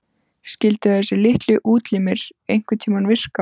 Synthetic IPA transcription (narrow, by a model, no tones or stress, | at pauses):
scɪlt̪ɪθɛsːɪlɪht̪lɪʔuːt̪liːmɪɾejŋ̥kʏt̪ʰiːmanvɪr̥ka